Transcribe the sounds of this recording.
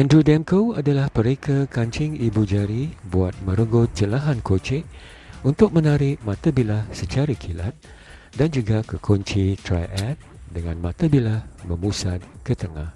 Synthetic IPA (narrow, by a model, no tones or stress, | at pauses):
ʔɛ̃ndɾudɛmkoadalahpəɾekʰakaɲt͡ʃɪŋibud͡ʒaɾibuat̪̚mə̃ɾəɡot̪̚t͡ʃəlaɦankot͡ʃɪʔ̚ | unt̪ʊk̚mə̃naɾɪʔ̚mãt̪abilahsət͡ʃaɾakʰila̰t̪̚ | dand͡ʒuɡakəkʰɔɲt͡ʃit̪ɾa̰jʔɛt̪̚dəŋãnmãt̪abilahməmusad̪̚kət̪əŋah